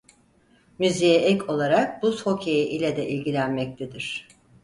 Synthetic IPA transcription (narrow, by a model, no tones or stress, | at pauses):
myzijɛʔɛcʰo̞lˠaɾak̚busho̞cʰejiʔilʲɛd̪ɛʔilʲɟilʲænmɛc̚t̪ʰɛd̪iɾ̝̥